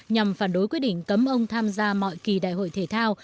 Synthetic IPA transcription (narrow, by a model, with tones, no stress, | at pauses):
ɲa˨˩mfaː˧˩nɗo˨˦jkwi˦˥t̚ɗḭ˧˨ŋ̟kə˨˦mʔə˧wŋ͡mt̪ʰaː˧mzaː˧mɔ̰˧˨jki˨˩ɗa̰ː˧˨jho̰˧˨jt̪ʰe˧˩t̪ʰaː˧w